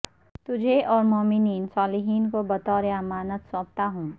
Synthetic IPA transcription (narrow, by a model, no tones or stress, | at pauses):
t̪ʊd͡ʒʱeʔɔːɾmoːmɪniːnsɔːlɪɦiːnkobɐt̪ɔːɾeamaːnət̪sɔ̃ːp̚t̪aɦũː